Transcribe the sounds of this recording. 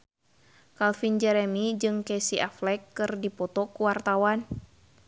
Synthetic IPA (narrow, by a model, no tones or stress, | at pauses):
kalfind͡ʒɛɾɛmid͡ʒɨŋkɛsiʔaflɛkːɨrdipɔt̪ɔkuwart̪awan